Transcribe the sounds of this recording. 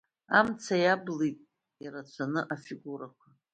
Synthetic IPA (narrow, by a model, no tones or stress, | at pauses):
amt͡sʰajablitʼ | iɾat͡ɕʷʰanɨʔafiɡʷuɾakʷʰa